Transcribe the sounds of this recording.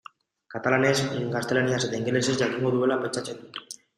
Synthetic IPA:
kat̪alanesiŋɡast̪elanijaset̪eiŋɡelesesd͡ʑakiŋɡod̪uβelapet͡ʃːat͡ɕʰen

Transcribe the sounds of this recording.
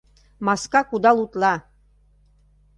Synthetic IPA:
mɑskɑkud̪ɑlˠut̪lɑ

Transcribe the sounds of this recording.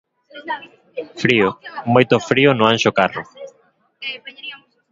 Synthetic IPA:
fɾiomojt̪ofɾionõaŋʃokaro̰

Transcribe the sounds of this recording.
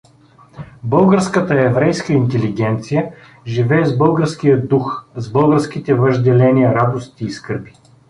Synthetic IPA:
bɤlˠɡəɾskət̪əɛvɾɛjskəint̪ɛliɡʲɛnt̪sijə | ʒivɛːzbɤlˠɡəɾskijəd̪uxzbɤlˠɡəɾsk̟it̪ɛvəʒd̪ɛlɛniəɾad̪ost̪iːskɤɾbi̥

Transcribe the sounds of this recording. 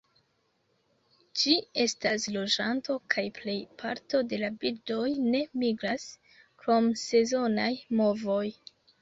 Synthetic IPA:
d͡ʒie̞staslo̞d͡ʒanto̞kʰajple̞jpʰa̰ɾto̞de̞labildo̞jne̞miɡɾas | kɾo̞mse̞zo̞najmo̞vo̞j

